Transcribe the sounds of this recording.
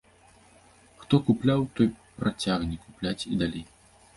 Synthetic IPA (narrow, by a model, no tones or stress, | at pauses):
xt̪ɔkuplʲawt̪ɔjpɾat͡sʲaɣnʲikuplʲat͡sʲid̪alʲej